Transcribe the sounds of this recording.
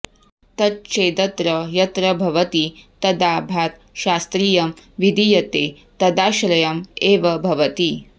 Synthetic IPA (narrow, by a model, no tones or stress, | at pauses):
t̪ɐt̪̚t͡ʃeːd̪ɐt̪ɾɐjɐt̪ɾɐbʱɐʋɐt̪it̪ɐd̪aːbʱaːɾ | ʃaːst̪ɾiːjɐmʋid̪ʱijɐt̪e | t̪ɐd̪aːʃɾɐjɐmeːʋɐbʱɐʋɐt̪i